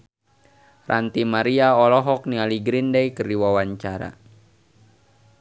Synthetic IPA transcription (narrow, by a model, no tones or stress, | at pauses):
rant̪imaɾiaɔlɔɦɔk̚nialiɡɾindɛjkərdiwawaɲt͡ʃaɾa̰